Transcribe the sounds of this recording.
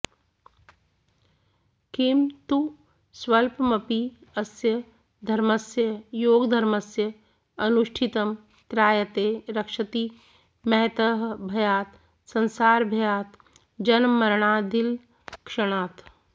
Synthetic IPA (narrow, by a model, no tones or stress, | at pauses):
kimt̪u | swɐlpmɐpiɐsjə | d̪ʱɐɾməsjəjoːɡd̪ʱɐɾməsjə | ɐnuʃʈʰit̪əm | t̪ɾaːjət̪eːɾɐkʃət̪i | mɛɦt̪əɦbʱɐjaːt̪ | sɐ̃nsaːɾbʱɐjaːt̪ | d͡ʒɐnmɐɾɳ̃aːd̪ɪl | kʃɐɽ̃aːt̪